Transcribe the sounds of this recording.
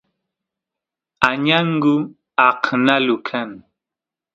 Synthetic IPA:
aɲaŋ̩ɡu | akʰənalukʰan

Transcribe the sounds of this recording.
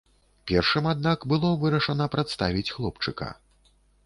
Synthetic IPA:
pʲɛrʂɨmad̪̚nakbɨlˠɔvɨɾɐʂɐnɐpɾat̪st̪avʲit͡sʲxlˠɔpt͡ʂɨkɐ̰

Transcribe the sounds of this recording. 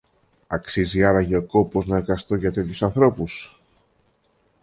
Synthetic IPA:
ɐksiziɐɾɐʝeoko̞po̞znɐeɾɣɐst̪o̞ʝɐt̪et̪çusɐnθɾo̞pus

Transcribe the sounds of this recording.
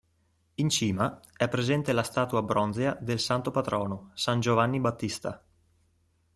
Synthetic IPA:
int͡ʃiːmaɛpːɾezɛnt̪elast̪aːt̪uabɾɔnzead̪elsant̪opat̪ɾɔːnosand͡ʒovanːibat̪ːist̪a̰

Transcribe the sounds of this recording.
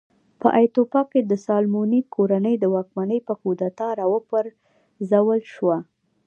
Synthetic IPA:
pə̰ʔajt̪opɑked̪əsɑlmunikʰoɾanəjd̪əwɑkmanəjpəkud̪at̪ɑɾɑwəpəɾ | zawəlʃwa

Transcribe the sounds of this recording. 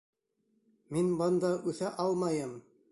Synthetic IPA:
minbɑnd̪ɑʔʉθæʔɑlˠmɑjɤm

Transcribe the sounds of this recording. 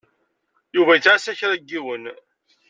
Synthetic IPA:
juvæjət͡sːʕasæçɾˤæɡːiwən

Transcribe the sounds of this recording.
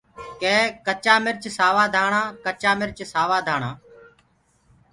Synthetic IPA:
kẽːkət͡ʃaːmɪɾt͡ʃsaːʋaːd̪ʱaːɳãːkət͡ʃaːmɪɾt͡ʃsaːʋaːd̪ʱaːɳãː

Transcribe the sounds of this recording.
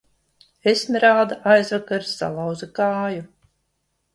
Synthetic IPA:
esnʲiɾaːd̪aʔajzvakaɾsa̰lˠawzakaːju

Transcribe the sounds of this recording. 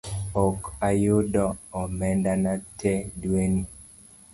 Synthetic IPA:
ɔkajodɔɔmɛndanatʰɛdweni

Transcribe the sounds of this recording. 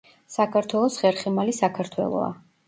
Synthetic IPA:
sakʰaɾt̪ʰwɛlˠɔsχɛɾχɛmalisakʰaɾt̪ʰwɛ̰lˠɔ̰a̰

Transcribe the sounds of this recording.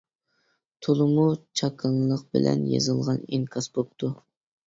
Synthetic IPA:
t̪ʰulˠɨmut͡ʃʰɑkʰəŋlˠəq̚bɪlɛ̰njḛzɨlˠʁɑniŋkʰɑsbop̚t̪ʰu

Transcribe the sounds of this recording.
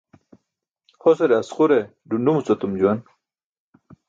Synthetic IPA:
hoseɾeɐsχuɾe | ɖunɖumut͡sot̪umd͡ʑuwɐn

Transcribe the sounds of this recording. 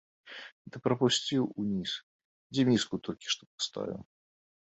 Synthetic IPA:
d̪ɨpɾɐpusʲt͡sʲiwunʲis | d͡zʲɛmʲiskut̪ɔlʲkʲi̥ʂt̪ɔ̥pḁst̪a̰vʲḭw

